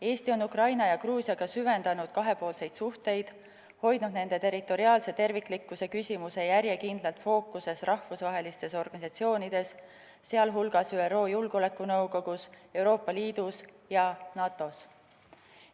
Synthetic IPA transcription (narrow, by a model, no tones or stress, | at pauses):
e̞ːst̪io̞nukrɑjnɑjɑkruːsjɑɡ̥ɑsyve̞nd̪̥ɑnud̪̥kɑɦe̞po̞ːlse̞jd̪̥suht̪e̞jd̪̥ | ho̞jd̪nud̪ne̞nd̪̥e̞t̪e̞ɾit̪ːˑo̞ɾiɑːlse̞t̪e̞rvikːˑlikːˑuse̞kysʲimuse̞jæɾjekind̪̥lɑlt̪fo̞ːkːˑuse̞srɑhvusvɑɦe̞list̪e̞so̞rɡ̥ɑnisɑt̪sio̞ːnid̪̥e̞sː | eɑlɦulɡ̥ɑsyero̞ːjulɡ̥o̞le̞kːˑunɤwko̞ɡ̥use̞wɾo̞ːpːɑliːd̪̥us | jɑnɑːt̪ːˑo̞s